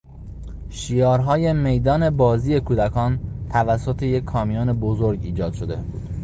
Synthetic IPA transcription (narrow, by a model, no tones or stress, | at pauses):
ʃiːjɒːɾɦɒːje̞me̞jd̪ɒːne̞bɒːziːe̞kʰuːd̪ækʰɒːnt̪ʰævæsːot̪ʰejekʰːɒːmijɒːne̞bozoɾɡiːd͡ʒɒːd̪̥ʃod̪e̞̰